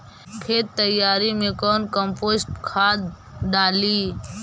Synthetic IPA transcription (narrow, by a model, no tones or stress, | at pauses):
kʰeːt̪ːəjaːɾimẽkɔːnkəmpoːsʈkʰaːd̪ | ɖaːliː